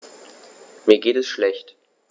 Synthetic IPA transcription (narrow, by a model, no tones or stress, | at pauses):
miːɐɡeːtɛsʃlɛçt